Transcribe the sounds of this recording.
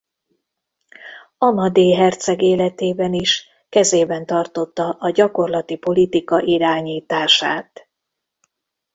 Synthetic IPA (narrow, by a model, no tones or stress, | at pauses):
ɒmɒd̪eːɦɛrt̪sɛɡeːlɛt̪eːbɛniʃ | kɛzeːbɛnt̪ɒrt̪o̞t̪ːɒʔɒɟɒko̞rlɒt̪ipo̞lit̪ikɒʔiɾaːɲiːt̪aːʃaːt̪